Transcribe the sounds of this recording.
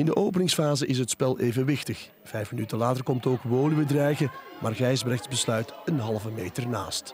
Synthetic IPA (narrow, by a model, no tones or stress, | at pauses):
ɪndəʔoːwp̬ənɪŋsfaːzəʔɪs̬ɦətspɛlˠejvənʋɪxtəx | v̥ɛjfmənytəlaːtərkɔmtoːkʋoːlybədrɛjɣə | mʔaːrɣɛjzbrɛxtsbəslœɥtənɦɑlˠvəmeːjtərna̰ːst